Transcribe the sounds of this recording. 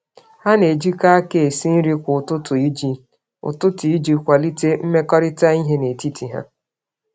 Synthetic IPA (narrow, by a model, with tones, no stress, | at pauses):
ha˦ne˨d͡ʒi˦ka˦a˦ke˨e˨si˦n̩˦ɾi˦kʷʊ˨tʊ˦tʊ˨i˦d͡ʒi˦ | ʊ̰˨tʊ˦tʊ˨i˦d͡ʒi˦kʷa˨li˦te˦m̩˦me˦kɔ˦ɾɪ˦ta˦i˦ɦe˦ne˨ti˦ti˨ɦa̰˦